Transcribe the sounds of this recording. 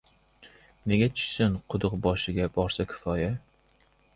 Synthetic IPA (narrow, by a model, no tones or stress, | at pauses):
ne̞ɡʲat̪ʰʊ̥ʃsɪnqʰʊd̪ʊqbɒʃɪɡʲabɒɾsakʲʰɪ̥fɒja